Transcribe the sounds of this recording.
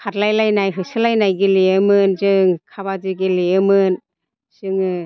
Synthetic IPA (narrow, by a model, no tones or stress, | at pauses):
kʰat̚lajlajnajɦɯsɯlajnajɡileɯmɯnzɯŋkʰabazɯɡileɯmɯn | z̥ɯŋɯ